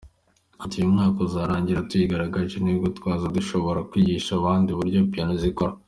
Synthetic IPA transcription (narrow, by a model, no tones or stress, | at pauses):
atijumŋaːko̞zaːɾaːɲɟiɾatuiɡaɾaɡaɾʒenibɡotwaːzaduʃo̞βo̞ɾakwiːɟiːʃaβaːndiβuɾɟopianozikoɾa